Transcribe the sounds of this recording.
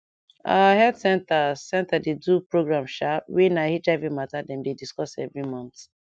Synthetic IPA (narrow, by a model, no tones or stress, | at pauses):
ahɛdsɛ̃ntasɛ̃ntadedupɹoɡɹãmʃawinahit͡ʃavimatadɛ̃mdediskɔsɛ̰vɹimɔ̃nθ